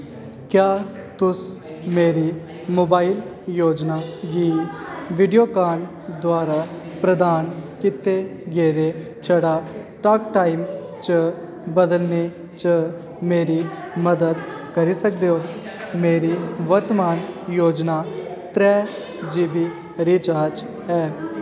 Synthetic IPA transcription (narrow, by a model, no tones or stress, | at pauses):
kjaː | t̪ʊs | meːɾi | moːbaːil | joːd͡ʒnaːɡiːʋɪɖijoːkaːn | d̪waːɾa | pɾəd̪aːnkɪt̪eɡeːɾe | t͡ʃʰəɽaː | ʈaːkʈaːɪm | t͡ʃə | bəd̪əlneː | t͡ʃə | meːɾiː | məd̪əd̪ | kəɾiːsək̚d̪eːɦoː | meːɾiːʋəɾt̪əmaːnjoːd͡ʒnaːt̪ɾɛː | d͡ʒiːbiː | ɾiːt͡ʃaːɾd͡ʒ | ɛː